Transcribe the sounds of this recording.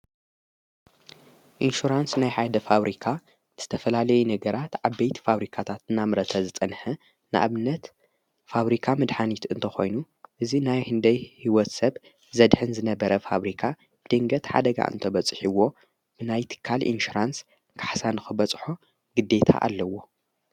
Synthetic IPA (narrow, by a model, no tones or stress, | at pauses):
ʔinʃuɾansnajħajd̪ɐfaβɾʔikʰa | z̥ɨt̪ʰɐfɐlalɐjunɐɡɐɾat̪ʕaβbejt̪ʰi̥faβɾikʰat̪ʰat̪ɨnːamɾɐt̪ʰɐzɨt͡sʼɐnħɨ | nɨʔa̰βɨnːɐt̪ | faβɾikʰamɨd̪ħanit̪ɨnt̪ʰɐxo̞jnu | ʔɨzinajhɨnd̪ɐjhiwɔt̪sɐβ | zɐd̪ħɨnzɨnɐbɐɾɐfa̰βɾikʰa | b̥ɨd̪̥ɨŋɡɐt̪ħa̰d̪ɐɡa̰ʔɨ̰nt̪ʰɐbɐt͡sʼħiwo̞ | bɨnajt̪ʰɨ̥kʰːalʔḭnʃuɾans | kʰḁħsanɨxɨbɐt͡sʼħo̞ | ɡɨd̪ːe̞t̪ʰa̰ʔa̰lːɐwːo̞